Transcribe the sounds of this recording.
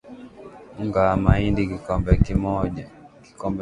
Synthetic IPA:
uŋɡamaindikikɔmbɛkimɔʄaki̥kɔmbɛ

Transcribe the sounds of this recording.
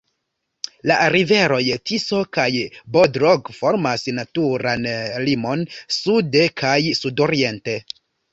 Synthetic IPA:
laʔaɾive̞ɾo̞jtiso̞kajbodɾoɡfo̞ɾmasnatuɾanlimo̞nsudekʰajsudo̞ɾie̞nte̞

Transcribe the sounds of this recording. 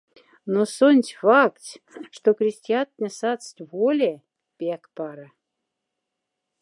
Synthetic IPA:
nosonʲtʲfɑktʲʂt̪okɾʲisʲt̪ʲiat̪nʲesɑt̪t͡st̪ʲvolʲe | pʲækpɑɾə

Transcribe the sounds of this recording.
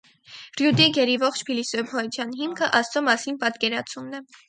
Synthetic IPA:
rjud̪iɡɛɾivɔχt͡ʃʰpʰilisɔpʰɔt̪ʰjɑnɦimkʰəʔɑst͡sɔmɑsinpɑt̪kɛɾɑt͡sʰumnɛ

